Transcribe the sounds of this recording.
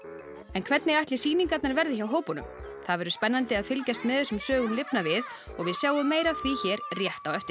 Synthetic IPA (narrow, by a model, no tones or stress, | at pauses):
ɛnkʰvɛt̪nɪɣajht̪lɪsiːniŋkat̪naɾvɛɾðɪçawɦoːwpɔnʏ̰m | θaðvɛɾʏspɛnːant̪ɪaðfɪlcajst̪mɛðɛsʏmsœːɣʏnlɪpnavɪð | ɔɣvɪðsjawʏmːeːjɾaθviçɛːɾrjɛht̪awɛft̪ɪ